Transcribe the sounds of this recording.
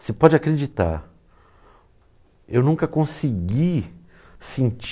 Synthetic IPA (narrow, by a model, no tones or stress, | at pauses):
sepɔd͡ʒɪakɾed͡ʒit̪a̰ɾ | ewnũkɐkõsiɡi | sẽt͡ʃ